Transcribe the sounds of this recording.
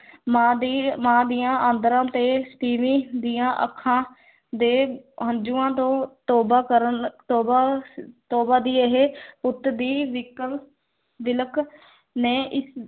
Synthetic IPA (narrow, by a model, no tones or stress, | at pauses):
maːd̪imãːd̪ijãːʔãːnd̪əɾãːt̪eːsə̥ʈiːʋĩːd̪iːãːʔə̰kʰːãː | d̪eːɦənd͡ʒuːãːt̪õːt̪ɔːbaːkəɾət̪ɔːbaːt̪ɔːbaːd̪iːeɦeːpʊt̪d̪iːʋɪkəl | ʋɪlək | neːʔɪs